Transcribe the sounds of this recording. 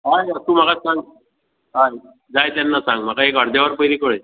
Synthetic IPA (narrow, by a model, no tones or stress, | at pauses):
ɦajət̪ũm̤akasãŋ | ɦaj | d͡zajt̪anːasãŋɡm̤akaekəɽd̪jaʋəɾpəjɾikoɽe